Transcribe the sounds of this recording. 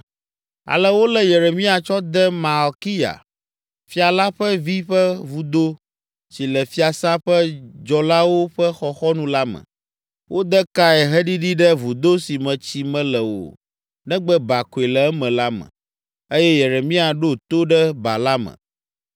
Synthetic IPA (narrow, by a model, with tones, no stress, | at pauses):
a̰˨lɛ˦wo˦lɛ˦je˨ɾe˨mĩ˦a˨t͡ʃɔ˦d̪ɛ˦mã˨ɔ˨ki˦ja̰˨ | fi˦a˨la˦ɸɛ˦vi˦ɸɛ˦vu˨d̪o˦ | t͡ɕi˨lɛ˨fi˦a˨sã˦ɸɛ˦d͡ʒɔ˨la˦wo˦ɸɛ˦xɔ˨xɔ˦nũ˦la˦mɛ̰̃˨ | wʔo˦d̪ɛ˦ka˦ɛ˨ɦɛ˦ɖi˦ɖi˦ɖɛ˦vu˨d̪o˦si˨mɛ̃˨t͡ɕi˦mɛ̃˦lɛ˨wo̰˨ | nɛ̃˦ɡ͡bɛ˦ba˨ko˨e˨lɛ˨ɛ˦mɛ̃˨la˦mɛ̰̃˨ | e˦jɛ˦je˨ɾe˨mĩ˦a˨ɖo˦t̪o˦ɖɛ˦ba̰˨la˦mə̰̃˨